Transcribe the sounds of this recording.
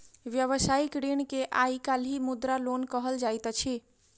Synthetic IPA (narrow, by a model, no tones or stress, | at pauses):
ʋjəʋəsaikɾeɳkeʔaikalimud̪ɾalonkəɦəld͡ʒajt̪t͡ʃʰi